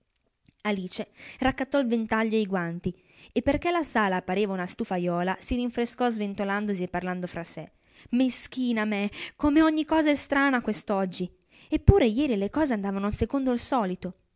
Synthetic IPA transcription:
aliːt͡ʃerakːat̪ːɔilvent̪aʎːoejɡwant̪i | epːerkelasaːlaːpːaɾiːvaunast̪ufajɔːlasiɾiɱfɾeskɔzvent̪oland̪osiepːarland̪ofɾase | mesk̟iːnamekomeɔɲːikɔːzaɛst̪ɾaːnakwest̪ɔd͡ʒːi | epːuːɾejɛːɾilekɔːzeand̪aːvanoisekond̪oilsɔːlit̪o

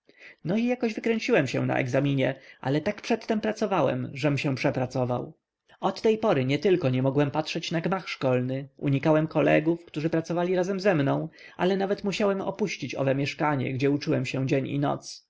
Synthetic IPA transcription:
nɔijakɔʑvɘkɾɛɲt͡ɕiwɛmɕɛ̰w̃na̰ʔɛ̰ɡzamʲiɲɛʔa̰lɛt̪akpʂɛt̪ːɛmpɾat̪sɔvawɛ̰mʐɛmɕɛ̃pʂɛpɾat̪sɔva̰w | ɔt̪ːɛjpɔɾɘɲɛt̪ɘlkɔɲɛmɔɡwɛmpatʂɛt͡ɕnaɡmaxʂkɔlnɘṵɲikawɛmkɔlɛ̰ɡufkt̪uʐɘpɾat̪sɔvalʲiɾazɛmzɛmnɔ̃w̃ | ʔa̰lɛnavɛt̪muɕawɛmɔ̰puɕt͡ɕit͡ɕɔ̰vɛmʲjɛʂkaɲɛ̰ɡd͡ʑɛut͡ʂuwɛmɕɛ̃d͡ʑeɲḭnɔ̰t̪s

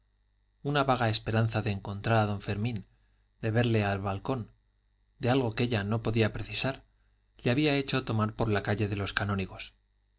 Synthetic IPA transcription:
unaβaɣ̞ae̞spe̞ɾanθaðe̞ːŋko̞nt̪ɾaɾaðo̞ɱfe̞ɾmĩn | d̪e̞βe̞ɾle̞alβalko̞n | d̪e̞alɣo̞keʎano̞po̞ðiapɾe̞θisaɾ | leaβiae̞t͡ʃo̞t̪o̞maɾpoɾlakaʎe̞ðe̞lo̞skanoniɣo̞s

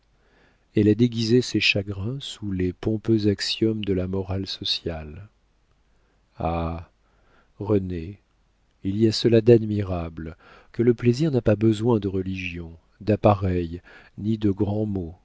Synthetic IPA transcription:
ɛlad̪eɡʲizeseʃaɡʁɛ̃sulepɔ̃pøzaksjɔmd̪əlamɔʁalsɔsjal | a | ʁəne | iliasəlad̪ad̪miʁabl | kələpleziʁnapabəzwɛ̃d̪əʁəliʒjɔ̃ | d̪apaʁɛj | nid̪əɡʁɑ̃mo

